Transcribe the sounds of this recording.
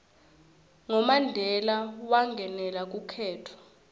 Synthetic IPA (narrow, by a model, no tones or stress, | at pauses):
ŋɔmandʱɛlawaŋɡʱɛnɛlak̬ʼukʰɛːtʰɔ̥